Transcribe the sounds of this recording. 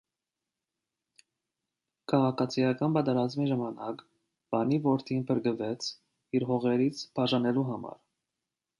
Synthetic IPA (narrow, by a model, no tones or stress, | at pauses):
kʰɑʁɑkʰɑt͡sʰijɑkɑnbɑt̪ɛɾɑzmiʒɑmɑnɑk | b̥ɑnivɔɾt̪ʰinpʰəɾɡəvɛt͡sʰ | iɾɦɔʁɛɾit͡sʰpʰɑʒɑnɛluɦɑmɑ̰ɾ